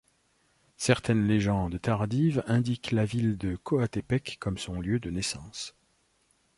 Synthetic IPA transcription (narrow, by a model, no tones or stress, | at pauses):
sɛʁt̪ɛnleʒɑ̃d̪t̪aʁd̪ivɛ̃d̪iklavild̪əkʰoat̪epɛkːɔmsɔ̃ljød̪ənesɑ̃s